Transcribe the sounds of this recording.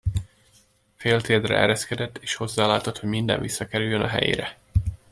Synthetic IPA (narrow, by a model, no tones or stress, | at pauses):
feːlt̪eːd̪rɛ̰ɛ̰ɾɛskɛd̪ɛt̪ːeːʃho̞zːaːlaːt̪o̞t̪ho̞ɟmind̪ɛ̰ɱvisːɒkɛɾyjːønɒɦɛ̰jḛːɾɛ